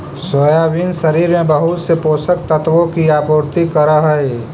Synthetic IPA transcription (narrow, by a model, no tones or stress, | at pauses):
soːjaːʋinsɐɾiːɾmẽbɐɦʊt̪sepoːsək̚t̪ət̪ʋõkiaːpoːɾt̪ikəɾaɦəe